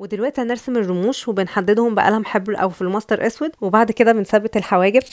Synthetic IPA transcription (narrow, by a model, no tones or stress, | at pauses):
wed̪elwæʔt̪ihæneɾsemerːomuːʃwebenħad̪ːed̪hombæ̰ʔæ̰læmħebɾʔæ̰wfilmɑsˤt̪ɑɾˤʔæswæd̪webaʕd̪ked̪æbensæbːet̪elħawæːɡeb